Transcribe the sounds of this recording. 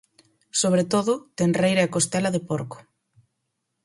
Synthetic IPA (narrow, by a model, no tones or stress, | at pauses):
soβ̞ɾet̪oðʊt̪enrejɾɐɛkost̪ɛlɐðɪpoɾkʊ̥